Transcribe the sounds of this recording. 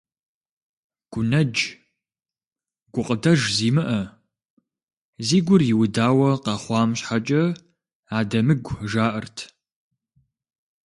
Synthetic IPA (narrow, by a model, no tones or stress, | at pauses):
ɡ̥ʷʊnɐd͡ʒ | ɡ̥ʷʊqʼədɐʒziːmɨʔɐ | ziːɡʷʊrjɪwʊdaːwɐqɑːχʷɑːmɕħat͡ʃʼɐ | aːdɐmɨɡʷʒaːʔɨrtʰ